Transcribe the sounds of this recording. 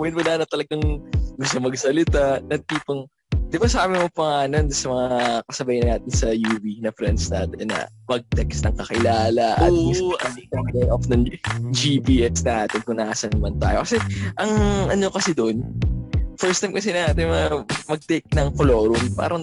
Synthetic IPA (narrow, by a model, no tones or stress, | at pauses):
wɛɪnwɐlaːnɐt̪ɐlɐɡɐŋɡʊst̪ʊmɐɡsɐlɪt̪anɐt̪iːpɐŋ | d̪ɪbasɐʔaːmɪmopɐŋaːnonsɐmɐŋakɐsɐbajɐnaːt̪ɪnsɐjuːbinɐfɾɛnd̪snaːt̪ɛnːɐ̰mɐɡ̚t̪ɛɡsnɐŋkɐkɪlaːlɐʔɐ̰t̪mɪʔɐikɐkɐlɐʔofnɐŋd͡ʒipiːʔɛsnaːt̪ɪnkʊnaʔasɐnɐmɐnt̪a̰ːjokɐsɛʔɐŋʔɐnokɐsɛd̪oʔn | fɛɹst̪ajmkɐsɛnɐŋaːt̪ɪnmɐŋamɐɡ̚t̪ɛjk̚nɐŋkolo̞ːɾʊnpa̰ːɾɐŋ